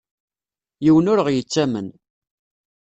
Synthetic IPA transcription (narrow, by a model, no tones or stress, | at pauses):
jiwənʊɾəʁjət͡sːæmə̰n